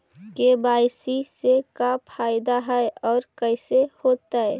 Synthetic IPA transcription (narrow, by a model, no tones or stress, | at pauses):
kebaːsisekapʰaːɪd̪aɦɛeɔːɾkəsehoːt̪aɦɛː